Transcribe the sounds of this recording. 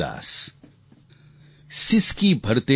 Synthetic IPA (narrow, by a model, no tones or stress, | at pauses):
a̰ːs | sɪskibʱɐɾt̪e